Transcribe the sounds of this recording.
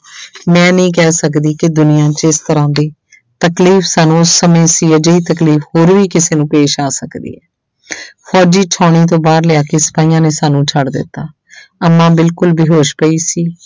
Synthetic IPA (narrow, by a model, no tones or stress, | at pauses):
mɛ̃ːnĩːk̬ɛːsəkd̪iːkɪd̪ʊnɪjãːt͡ʃɪst̪əɾãːd̪eː | t̪əkliːfʰsaːnũːʊsːəmẽːsiːɛːd͡ʒəiːt̪əkliːfhoːɾʋiːkɪseːnũːpeːʃaːsəkd̪ḭːɛː | pʰɔːd͡ʒiːt͡ʃʰɔːɳ̃iːt̪̬õːbaːɾlɪjaːkeːsə̥paːiːjãːneːsaːnũːt͡ʃʰəɽd̪ɪ̰t̪ːaː | əmːãːbɪlkʊlbiːɦoːʃpəiːsiː